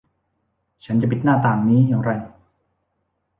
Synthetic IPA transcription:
t͡ɕʰa˦˥nt͡ɕa˨˩pi˨˩t̪̚naː˥˩t̪aː˨˩ŋniː˦˥jaː˨˩ŋɾa˧j

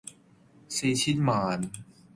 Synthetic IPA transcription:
siː˧t͡ɕʰi˦˥t̪̚maː˨˧n

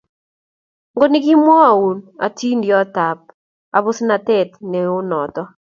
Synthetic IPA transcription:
ŋɡo˦ni˦ɡi˦mwɔ˦a˨u˨na̰˨ti˦ndjɔ˦ta˨p̚ | a˨bʊ˦sna˨tɛ˦˨tnɛ˨ʊ˦nɔ˨tɔ˦

